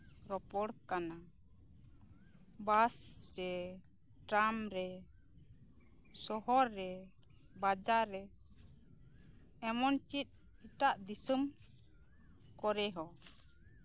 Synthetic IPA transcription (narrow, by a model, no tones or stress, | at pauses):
ɾɔpɔɽkana | basɾɛ | ʈamɾɛ | sɔɦɔɾːɛ | bad͡ʒaɾːɛ | ɛmɔnt͡ʃit̪̚ˀ | hit̪aʔd̪isum | kɔɾɛɦɔ